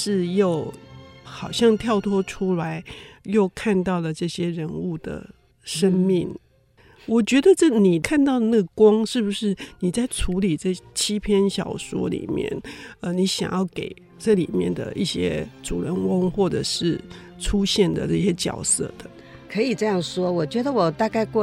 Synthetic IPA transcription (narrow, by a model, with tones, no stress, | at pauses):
ʂɻ̩˥˧jo˥˩ʊxɑ˨˩ʊɕjɑ˥˧ŋt̪ʰjɑ˥˩ʊt̪ʰwɔ˥ʈ͡ʂʰu˥la˧˦ɪjo˥˧ʊkʰa˥˧nt̪ɑ˥˩ʊlə˩ʈ͡ʂɤ˥˩ɕjɛ˥ɻə˧˥nu˥˩d̪ə̰˩ | ʂə˦˥nmi˥˨˩ŋ | wɔ˨˩t͡ɕɥɛ˧˥d̪ə˧ʈ͡ʂɤ˥˩ni˨˩kʰa˥˧nt̪ɑ˥˩ʊə˨na˥˩ɡə˩kwɑ˥ŋʂɻ̩˥˩bu˩ʂɻ̩˥˩ni˨˩t͡sa˥˩ɪʈ͡ʂʰu˧˥li˨˩ʈ͡ʂɤ˥˩t͡ɕʰi˥pʰjɛ˥nɕjɑ̰˨˩ʊʂwɔ̰˥lḭ˨˩mjɛ̰˥˩nə˧ni˧˥ɕjɑ̰˨˩ŋjɑ˥˩ʊke˨˩ɪ | ʈ͡ʂɤ˥˩lḭ˨˩mjɛ̰˥˩nd̪ə̰˩ʔi˥˩ɕjɛ̰˥ʈ͡ʂṵ˨˩ɻə˧˥nwə˥ŋxwɔ˥˩ʈ͡ʂɤ̰˨˩ʂɻ̩˥˩ | ʈ͡ʂʰu˥ɕjɛ˥˩nd̪ə̰˨ʈ͡ʂɤ˥˩ɕjɛ˥t͡ɕjɑ̰˨˩ʊsɤ̰˥˩d̪̥ə˩ | kʰɤ˧˥i˨˩ʈ͡ʂɤ˥˧jɑ˥˩ŋʂwɔ˥wɔ˨˩t͡ɕɥɛ˧˥d̪ə˧˨wɔ˨˩t̪a˥˧ka˥˧ɪkwɔ˥˧